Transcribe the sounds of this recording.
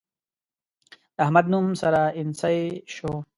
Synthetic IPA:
ɐɦmɐd̪numsɐɾainsaeɕo

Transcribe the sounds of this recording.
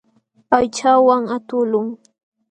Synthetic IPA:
pajt͡ʃawaŋat̪ʊlʊŋ

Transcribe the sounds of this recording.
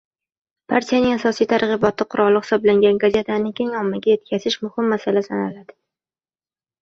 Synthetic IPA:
pʰa̰ɾt̪ʰijanɪŋasɒsijt̪ʰaɾʁɨbɒt̪ʰɪqʰʊɾʔɒlˠːɪχɪ̥sɒblaŋɡʲanɡazʲe̞t̪ʰanɪkʲʰeŋɒmːaɡʲaje̞t̪̚kʲʰazɪʃmʊhɪmːasalasanalad̪̥ɪ

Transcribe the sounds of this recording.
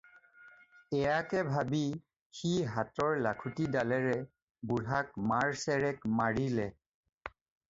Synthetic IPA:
ɛjakɛbʱabi | xiɦatɔɹlakʰutidalɛɹɛ | buɹɦakmaɹsɛɹɛkmaɹilɛ

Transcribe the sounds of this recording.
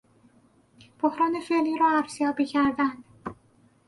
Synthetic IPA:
b̥ohɾɒːne̞felːiːɾɒːæfz̥jɒːbiːcʰæɾd̪ænd̪̥

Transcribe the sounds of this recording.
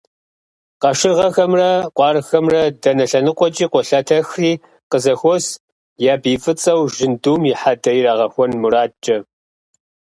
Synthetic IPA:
qɐʃɪrʁɐxɐmrɐqʷʼɑːrxɐmrɐdɐnɐɬɐnɨqʷɔt͡ʃʼiːqʷɔɬɐtʰɐxriː | qəzɐxʷɔs | jaːbiːfʼɨt͡sʼɐwʒɪnduːmjɪħadɐjɪɾaːʁɐxʷɔnmuɾaːt͡ʃʼɐ

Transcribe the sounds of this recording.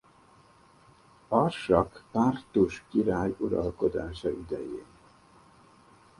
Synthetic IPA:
ɒrʃɒkpaːrt̪uʃkiɾaːjuɾɒ̰lko̞d̪aːʃɒʔyd̪ɛjḛːn

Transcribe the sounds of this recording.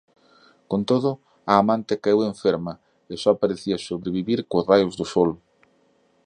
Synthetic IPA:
kont̪oð̞ʊ | aːmãnt̪ekaeweɱfeɾmɐ | ɪsɔapaɾeθiɐsoβɾeβiβiɾkʊzrajʊzðʊsɔl

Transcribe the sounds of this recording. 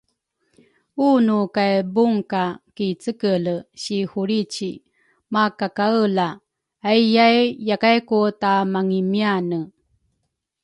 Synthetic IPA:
unukajbuŋkakit͡səkələɕihuɾit͡ɕi | makakaəlaː | jjajjakajkotamaŋimianə

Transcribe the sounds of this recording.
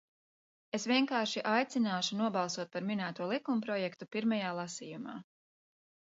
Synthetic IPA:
esvʲiɛŋkaːɾʃiʔajt̪sinaːʃunuɔbɑlˠsuɔt̪̚paɾminæːt̪uɔlˠikumpɾɔjɛkt̪upiɾmajaːlˠasiːjuma̰ː

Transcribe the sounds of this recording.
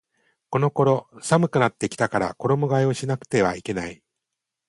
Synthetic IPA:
ko̞no̞ko̞ɾo̞samɯ̟kɯ̟nat̪ːe̞kʲi̥t̪akaɾa̰ko̞ɾo̞mo̞ɡaio̞ɕinakɯ̟̥t̪e̞β̞a̰ike̞nai

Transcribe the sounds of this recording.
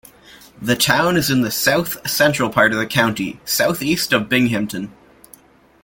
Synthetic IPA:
ðɨtʰãʊ̃nɨzɨ̃nðɨsaʊθsɛ̃nt͡ʃɹ̥əl̩ˠpʰɑɹɾʌvðɨkʰãʊ̃ntḭsaʊθistʌvbɪ̃ŋɦɪ̃mtɨ̃n

